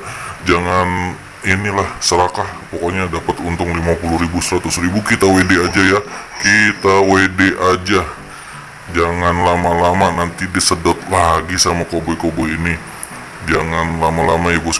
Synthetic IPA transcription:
d͡ʒaŋan | inilahsəɾakahpokoɲadapat̪unt̪ʊŋlimapulʊhɾibusəɾat̪ʊsribukit̪awedead͡ʒaja | kit̪awedeʔad͡ʒa | d͡ʒaŋanlamalamanant̪idisədɔt̪̚laɡisamakobɔjkobɔjini | d͡ʒaŋanlamala̰majabʊs

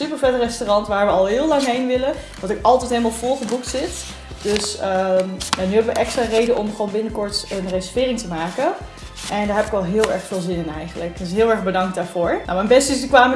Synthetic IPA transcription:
sypəɹfɛtərɛstorɑntʋaːɹʋəɑlˠɦɪːlɑŋɦejnʋɪləʋɑntɪkɑlˠtɛjtɦeləmalˠfɔlˠχəbuk̚tsɪt | d̥øsəjanyɦɛbəʋəʔɛkstraːrejdənʔɔmχʋownbɪnəkɔɹtənresəfɪːrɪŋtəmaːkən | ʔɛndaːɹɦɛpɪkʋɛlˠɦɪːlˠɛ̰ɹχfɪːlˠzɪnɪnɛ̰jχənləktɪsɦɪːlˠɛɹχbədɑŋkdaːɹvʊːɹno̰wmɛjnbɛstɪsnykʋaːmə

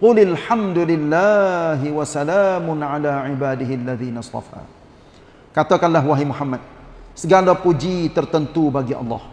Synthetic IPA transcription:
qʊlɪlħamd̪ulɪlːaɦiwasalaːmʊnʕalaːʕibaːdɪɦɪalːaðiːnast̪ˤɑ̰fa̰ː | kat̪akanlaɦwaɦimuħamːat̪̚səɡalapud͡ʒit̪ərt̪ənt̪ubaɡiʔɑ̰lːɑ̰h

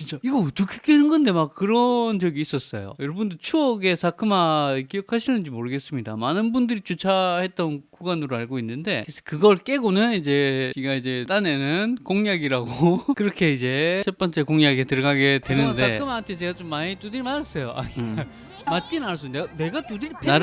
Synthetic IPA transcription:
t͡ɕint͡ɕ͈aiɡʌʌt͈ʌkʰe̥kʰenɯnɡʌnde̞mak͈ːɯɾʌnt͡ɕʌɡiːs͈ʌs͈ʌ̰jo̰jʌɾʌbundot͡ɕʰuʌɡe̞sʰakʰɯmakijʌkʰaɕʰinɯnd͡ʑimoɾɯɡe̞s͈ɯmɲida̰manɯnbundɯɾit͡ɕut͡ɕʰahe̞t̚t͈ʌnkuɡanɯɾoaɭɡoinːɯnde̞kɾesʰʌ̥kɯɡʌɭk͈e̞ɡonɯnid͡ʑe̞kiɡaid͡ʑe̞t͈ane̞nɯnkoŋɲaɡiɾaɡokɯɾʌkʰe̞id͡ʑe̞t͡ɕʰep͈ʌnt͡ɕ͈e̞koŋjaɡetɯɾʌɡaɡe̞twe̞nɯnde̞ɯmaɦantʰet͡ɕe̞ɡat͡ɕomːaɲit͈udɯɾimanas͈ʌjoʔa̰i | mat͡ɕ͈inaɭs̬͈undene̞ɡat͈udɯɾpea

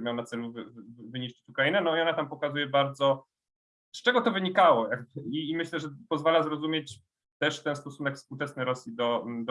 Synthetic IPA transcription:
mʲawnat̪sɛluvvɘɲiɕt͡ɕi̥t͡ɕukɾajinɛnɔiɔnat̪ampɔkazujɛbaɾd̪zɔ | st͡ʂɛɡɔt̪ɔvɘɲikawɔjaɡbimɘɕlɛʐɛpɔzvalazɾɔzumʲjet͡ɕ | t̪ɛʂt̪ɛnst̪ɔsunɛkfspuwt͡ʂɛsnɘɾɔsʲjid̪ɔd̪ɔ

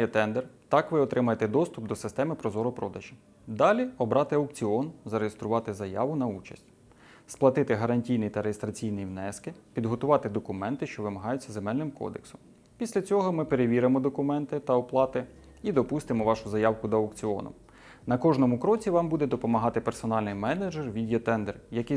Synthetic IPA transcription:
jɛt̪ɛnd̪ert̪ɑkʋɪɔt̪ɾɪmɐjet̪ɛd̪ɔst̪ʊp̚d̪ɔsɪ̥st̪ɛmɪpɾɔzɔɾɔpɾɔd̪ɐʒʲi | d̪ɑlʲiɔbɾɑt̪ɪɐwkt͡sʲiɔnzɐɾejest̪ɾʊʋɑt̪ɪzɐjɑʋʊnɐut͡ʃɐ̰sʲtʲ | splˠɐt̪ɪt̪ɪɦɐɾɐnʲtʲijnijit̪ɐɾejest̪ɾɐt͡sʲijnijiwnɛskɪpʲid̪ɦɔt̪ʊʋɑt̪ɪd̪ɔkʊmɛnt̪ɪʃt͡ʃɔʋɪmɐɦɑjʊt͡sʲːɐzemɛlʲnɪmkɔ̰d̪ḛksʊm | pʲisʲlʲɐt͡sʲɔɦɔmɪpeɾeʋʲiɾemɔd̪ɔkʊmɛnt̪ɪt̪ɐɔplˠɑt̪ɪ | id̪ɔpust̪ɪmɔʋɑʃʊzɐjɑwkʊd̪ɐɐwkt͡sʲiɔ̰nʊ̰ | nɐkɔʒnɔmʊkɾɔt͡sʲiʋɑmbud̪ɛd̪ɔpɔmɐɦɑt̪ɪpersɔnɑlʲnɪjmɛned͡ʒerʋʲidʲiɔt̪ɛnd̪erjɐkɪ

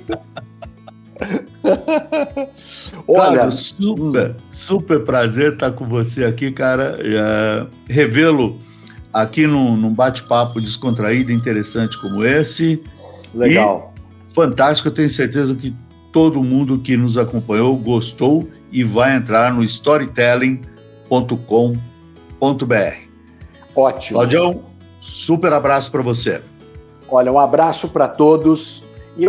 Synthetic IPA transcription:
ɔlaɡɐʊsupeɾsupeɾpɾazeɾt̪aɾkõvoseakikaɾɐɛɦevelʊ | akinʊ̃nũbat͡ʃɪ̥papʊd͡ʒɪskõnt̪ɾaid̪ʊĩnt̪̬eɾesɐ̃nt͡ʃɪ̥kõmʊesɪleɪɡaw | fɐ̃nt̪ast͡ʃɪ̥kʊewt̪ẽɲ̃ʊseɾt̪ezɐkɪ | t̪od̪ʊmũnd̪ʊkɪnʊzakõmpɐ̃ɲowɡost̪ow | ɪvajẽnt̪ɾaɾnʊist̪ɔɾit̪ɛlẽ | põnt̪ʊkõ | põnt̪ʊbeɛ̰hɪ̥ | ɔt͡ʃilawd͡ʒɐ̃w̃ | supeɾabɾasʊ̥pɾɐvose | ɔʎɐũabɾasʊpɾɐt̪od̪ʊs | ɪ

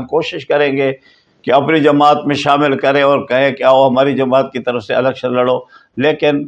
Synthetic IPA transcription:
koːʃɪʃkɐɾẽːɡeː | keɐpnid͡ʒɐmaːt̪mẽʃaːmɪlkɐɾẽɔːɾkɐɦẽkeaːoɦɐmaːɾid͡ʒɐmaːt̪̚kit̪ɐɾəfseɐləɡʃʰɐɾlɐɽoː | leːkɪn

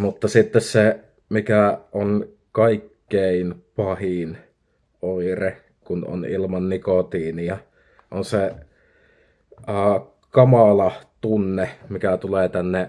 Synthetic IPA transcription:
mut̪ːɑsit̪ːesse | mikæʔon | kɑikːeˑinpɑhin | oˑire | kuno̰nilmɑnːikot̪iːnijɑ | ʔonse | əː | kɑmɑlɑt̪unːemikæt̪uleːt̪ænːe

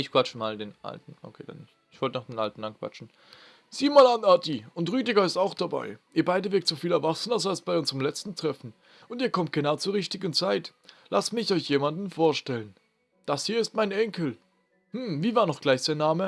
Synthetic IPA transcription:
ʔɪçkv̥at͡ʃəmaːldeːnʔa̰ltn̩ʔo̰kʰeːd̥a̰nːɪçtɪçv̥ɔltənaːχd̥eːnʔa̰ltn̩ankv̥a̰t͡ʃn̩ | z̥iːmaːlanatʰiʊntʁyːtɪɡɐɪstaʊxd̥aba̰ɪʔiːɐbaɪdəvɪɐktz̥ofiːlɛɐvaksn̩asalsb̥aɪʊnzəʁəmlɛt͡stn̩tʁ̥ɛfn̩ | ʔʊntiːɐkʰɔmt̚ɡ̥ənaʊt͡suːʁɪçtɪɡn̩t͡saɪtlʔastmɪçɔʏçjeːmandn̩foːɐʃtɛlən | d̥ashiːɐɪst̚maɪnɛŋkl̩ | hm̩viːvaːɐnɔχɡ̥laɪçz̥aːɐnaːmə

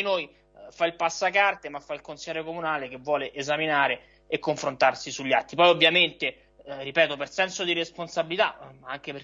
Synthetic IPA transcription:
inoːj | failpasːakart̪emafːailkonsilːɛɾjokomunaːlek̟evːwɔːleʔezaminaːɾe | ekːoɱfɾont̪arsisuʎːat̪ːipɔjovːjament̪e | ripɛːt̪opersɛnsod̪iɾesponsabilit̪aaŋk̟epe

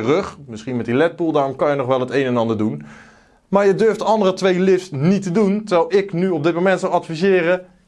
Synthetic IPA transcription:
rɵχmɪsχinmɛtdilɛt̚bulˠdaːrɔmkɑnjənɔχʋɛlˠɦətejnɛnɑndəɹdun | maːɹjədøɹftəɑndərətʋejlɪfsnitəduntəɹʋɛjlˠɪknyɔb̚dɪt̚mowmɛntsɔwɑtfizɪːrə

